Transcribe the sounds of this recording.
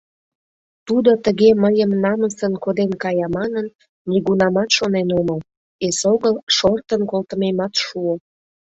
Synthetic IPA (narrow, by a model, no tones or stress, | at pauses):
t̪ud̪ot̪əɣeməjəmnɑməsənkod̪enkɑjɑmɑnənː | iɣunɑmɑt̪ʃonenoməl | esoɣəlʃort̪ənkolt̪əmemɑt̪ʃuo